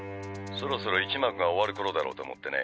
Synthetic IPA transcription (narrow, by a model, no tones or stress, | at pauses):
so̞ɾo̞so̞ɾo̞it͡ɕimakɯ̟ɡao̞βaɾɯ̟ko̞ɾod̪aɾo̞̰ːt̪o̰mo̰t̪ːe̞nḛ